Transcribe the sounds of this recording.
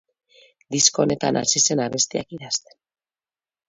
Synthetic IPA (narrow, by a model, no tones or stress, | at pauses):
d̪isko̞ne̞t̪a̰nʔa̰sise̞naβe̞st̪ea̰kiɾast̪e̞̥n